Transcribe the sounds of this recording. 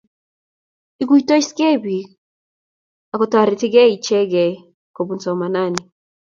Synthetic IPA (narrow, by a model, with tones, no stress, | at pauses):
i˦ɡu˦i˨to˦i˦ske˦bi˨ | a˨kɔ˨ta˨ɾi˨tɪ˦ɡɛ˦i˨t͡ʃɛ˦ɡɛ˨ | ko˨bu˨nsɔ˨ma˨na˦˨ni˨